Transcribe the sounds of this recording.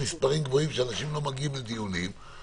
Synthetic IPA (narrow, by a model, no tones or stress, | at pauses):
mispaʁimɡvo̞imʃeanaʃimlo̞maɡiumled̪ijunim